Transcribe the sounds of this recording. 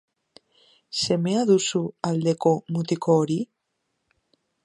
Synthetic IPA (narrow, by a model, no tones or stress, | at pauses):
semeaðusuald̪ekomut̪ikoɾi